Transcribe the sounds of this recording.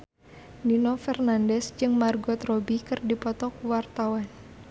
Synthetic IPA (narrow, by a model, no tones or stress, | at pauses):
ninɔfɛrnandɛsd͡ʒɨŋmarɡɔt̪rɔbikɨrdipɔt̪ɔkuwart̪awan